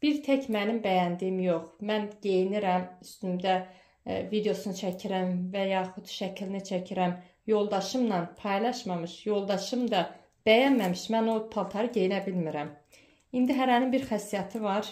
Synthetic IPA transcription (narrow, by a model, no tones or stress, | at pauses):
b̥iɾt̪ʰecʰmænimbæjænd̪ijimjo̞χmænɟe̞jiniɾæmyst̪ymd̪æ | vid̪eo̞sunɯt͡ʃʰæcʰiɾæmvæjɑːχud̪̥ʃæcʰilinit͡ʃʰæcʰiɾæm | jo̞lˠd̪ɑʃɯmnɑnpʰɑjlˠɑʃmɑmɯʃjo̞lˠd̪ɑʃɯmd̪ɑ | b̥æjænmæmiʃmæno̞pʰɑlˠt̪ʰɑɾɯɟe̞jinæbilmiɾæm | ind̪iɦæɾænimbiɾxæsːijɑt̪ʰɯvɑɾ